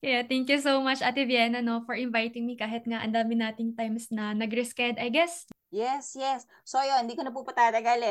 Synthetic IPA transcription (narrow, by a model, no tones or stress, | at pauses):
kɐjat̪ɛŋkjusowmɐt͡ʃɐt̪ɪvjɛnɐno̞fɔɹɪnvajt̪ɪŋmikaːɦɪt̪̚ŋaʔɐ̰nd̪aːmɪnaːt̪ɪŋt̪ajmsnɐnɐɡɾɛskɛd̪ɐjɡɛs | jɛsjɛsːojonnd̪iːkonɐpuːpɐt̪aːt̪ɐɡalɛ